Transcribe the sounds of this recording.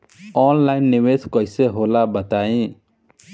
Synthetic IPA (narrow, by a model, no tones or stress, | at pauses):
ɔnlajnːimeskɔjseɦolabət̪aĩ